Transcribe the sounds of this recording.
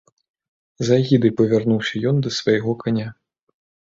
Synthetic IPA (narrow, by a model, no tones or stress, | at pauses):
zaɣʲid̪ɨjpɐvʲarnuwsʲɐjɔnd̪ɐsvajɣɔkanʲa